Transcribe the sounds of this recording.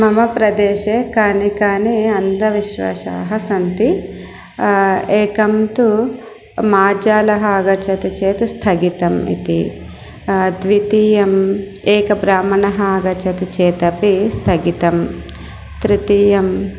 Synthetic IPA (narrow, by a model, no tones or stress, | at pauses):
mɐmɐpɾɐd̪eːʃeːkaːnikaːniɐnd̪ɐʋiʃʋɐ̰ʃa̰ːɦɐsɐnt̪i | eːkɐmt̪u | maːd͡ʒaːlɐɦɐɐɡɐt͡ʃɐt̪it͡ʃeːt̪ist̪ʰɐɡit̪ɐmḭt̪i | d̪ʋit̪iːjɐm | eːkɐbɾaːmɐɳɐɦɐɐɡɐt͡ʃɐt̪it͡ʃeːt̪ɐpist̪ʰɐɡit̪ɐm | t̪ɾit̪iːjɐm